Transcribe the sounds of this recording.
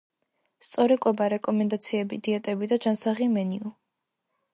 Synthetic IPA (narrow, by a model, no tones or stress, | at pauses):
st̪sʼɔɾɛkʼwɛbaɾɛkʼɔmɛnd̪at̪sʰiɛbid̪iɛt̪ʼɛbid̪ad͡ʒansaʁimɛniu